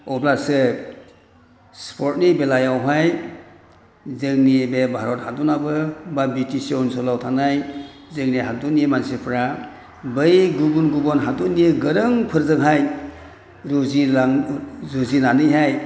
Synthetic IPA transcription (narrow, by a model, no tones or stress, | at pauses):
ɔblasɯ | spʰɔɾt̚nibelajawɦaj | zɯŋnibebʱaɾɔt̚hadunabɯbabitʰiseunsɔlawtʰanaj | zɯŋniɦaduniemansipʰɾa | bɯjɡubunɡubɔnɦadunieɡɯɾɯŋpʰɯɾzɯŋɦaj | ɾziazuzinanɯjɦaj